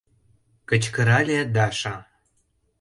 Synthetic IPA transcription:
kə̆t͡ɕkə̆ɾɑlʲed̪ɑʃɑ

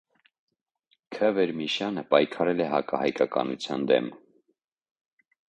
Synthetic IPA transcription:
kʰəvɛɾmiʃjɑnəpɑjkʰɑɾɛlɛɦɑkɑhɑjkɑkɑ̰nṵt͡sʰjɑ̰nd̪ɛ̰m

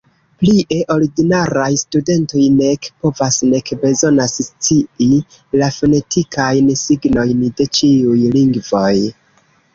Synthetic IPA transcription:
pliʔe̞ʔo̞ɾiɡinaɾajstude̞nto̞jne̞kpo̞vasne̞kbe̞zo̞nasst͡sii | lafo̞ne̞tʰikʰajnsiɡno̞jnde̞t͡ʃiujliŋɡvo̞j

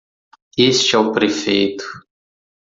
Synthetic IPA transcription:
est͡ʃɪɛʊpɾefejt̪ʊ̥

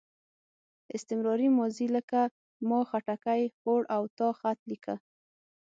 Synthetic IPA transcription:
ɪst̪ɪmɾɑɾimɔziləka | mɑxaʈakajxoɽʔawt̪ɑxat̪likʰa

